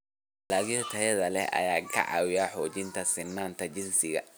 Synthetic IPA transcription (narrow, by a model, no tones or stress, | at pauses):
laːɣɪjɔt̪ʰɐjɐðɐlɛɐ̰jaːkʰɐ̰ʕɑ̰ːwɪjaːħɔːt͡ʃɪnt̪ʰɐsɪnːaːnt̪ʰɐt͡ʃɪnsɪɣɐ̰